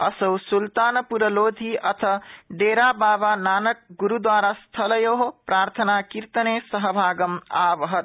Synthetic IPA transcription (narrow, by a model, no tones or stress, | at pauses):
ʌsəwsult̪anpuɾəlod̪ʱiʌt̪ʰəɖeɾababanaːnək̚ɡuɾud̪waɾast̪ʰələjoɦopɾaɾt̪ʰənakiɾt̪ənesəɦəbʱaːɡəmabəɦət̪